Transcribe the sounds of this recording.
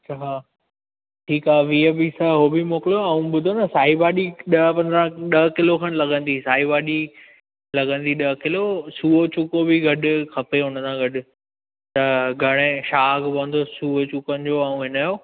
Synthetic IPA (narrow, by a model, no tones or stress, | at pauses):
ɐt͡ɕʰaɦaː | ʈʰiːkaːʋiːəbisaɦoːbimoːkɪljoɐːũɓʊd̪ʱonɐsaːɦibaːɗiɗɐpɐ̃nd̪ɾãɗɐɦkɪlokʰɐɽ̃lɐɡə̃nd̪isaːibaːɗi | lɐɡə̃nd̪iɗɐkɪlosuːot͡ɕʊkobiɡʱɐɗʊ̆kʰɐpeɦʊnəsãɡɐɗʊ̆ | t̪ɐɡʱɐɽ̃ẽʃaːɡbɐə̃nd̪osuːot͡ɕukənɪ̆d͡ʑoaũɦɪnaːjoː